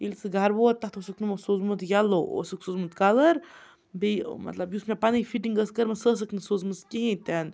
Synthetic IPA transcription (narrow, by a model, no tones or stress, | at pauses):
ilʲsɨɡʱaɾboːt̪ːat̪ʰosuknɨmɐsoːzmut̪jalːoʔo̰sɨksoːzmut̪kaləɾ | bḭmɐ̰t̪lɐbjuːsmʲapanifiʈiŋɡəskəɾmɐsəs̬ɨknɨsoːzmɨskiɦĩt̪an